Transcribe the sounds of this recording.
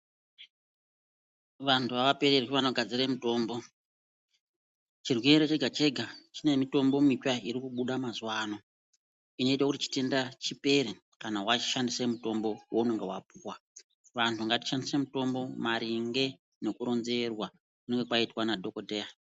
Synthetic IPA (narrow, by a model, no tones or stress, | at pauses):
ʋantʰuʋaʋape̞ɾeriʋanoɡʱad͡ziɾe̞muto̞ːmbo̞ | t͡ʃirweɾo̞t͡ʃe̞ɡʱat͡ʃe̞ɡʱat͡ʃine̞mito̞mbo̞mit͡ʃaiɾikuɓuɗamazuwaːno̞ | ino̞it̬wakutit͡ʃi̥te̞ndat͡ʃipe̞ɾe | kanawat͡ʃi̥ʃandisemuto̞mbo̞woune̞ŋɡewap̚uːwa | ʋantʰuaŋɡati̥ʃandise̞muto̞mbo̞maɾiŋɡe̞ | ne̞kuɾo̞nze̞rwa | kune̞ŋɡe̞kwaitwanadʱo̞kodʱeːja